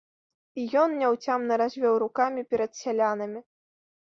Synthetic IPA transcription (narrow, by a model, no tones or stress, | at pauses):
ijɔnnʲawt͡sʲamnɐɾazʲvʲɔwɾukamʲipʲɛɾɐt̪sʲalʲanɐmʲi